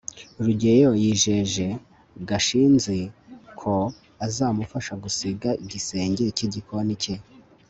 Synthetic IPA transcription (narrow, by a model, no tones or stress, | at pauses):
ɾuɟejojiːʒe̞ʒe̞ | ɡaʃiːnzikʰo̞ | azaːmufaʃaɡusiɡaiɟise̞ːɲɟe̞ciɟikoanice